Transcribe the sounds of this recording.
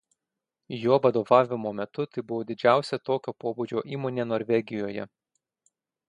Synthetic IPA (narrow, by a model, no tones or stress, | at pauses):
joːʋɐd̪oːʋɑːʋʲɪmoːmʲɛt̪ʊt̪ɐɪbʊʋoːd̪ʲɪd͡ʒʲæˑʊsʲɛt̪oːkʲoːpoːbud͡ʒʲoːʔiːmoːnʲeːnoːɾʲʋʲɛɡʲɪjoːjɛ̰